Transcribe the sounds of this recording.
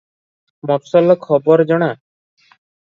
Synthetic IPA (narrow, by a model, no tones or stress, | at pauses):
mapsɔlɔkʰɔbɔɾd͡ʒɔɽ̃a